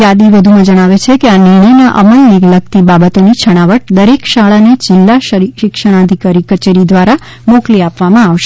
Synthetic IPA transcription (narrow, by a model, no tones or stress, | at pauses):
jad̪iʋəd̪ʱumãd͡ʒəɽ̃aʋet͡ʃʰekeanɪɾɳəjnaʔə̰məleɡlək̚t̪ibabət̪onit͡ʃʰəɽ̃aʋəʈ̚d̪əɾekʃaɭaned͡ʒɪlːaʃəɾiʃɪkʃəɽ̃ad̪ʱikaɾikət͡ʃeɾid̪ʋaɾa | mokliapʋamãaʋʃe